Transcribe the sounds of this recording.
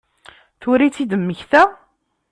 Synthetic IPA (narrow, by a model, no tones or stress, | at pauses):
θʊɾit͡sːid̪əmːəçθæ